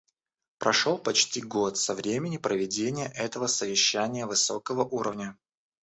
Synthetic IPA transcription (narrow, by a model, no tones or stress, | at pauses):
pɾʔɐʂolˠpɐt͡ɕtʲiɡot̪sɐvɾʲemʲɪnʲɪpɾəvʲɪdʲenʲɪjəʔɛt̪əvəsəvʲɪɕːænʲɪjəvɨso̞kəvəʔuɾəvnʲə